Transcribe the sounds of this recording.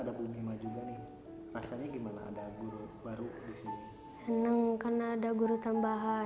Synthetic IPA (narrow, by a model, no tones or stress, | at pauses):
adabumimad͡ʒuɡanih | rasaɲaɡimana̰ːdaɡuɾubaɾudisini | sənəŋkarnaːdaɡuɾut̪ambaɦa